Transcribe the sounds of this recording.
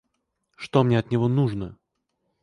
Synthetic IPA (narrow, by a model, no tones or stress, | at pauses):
ʂt̪omnʲeɐt̪nʲɪvo̞nuʐnə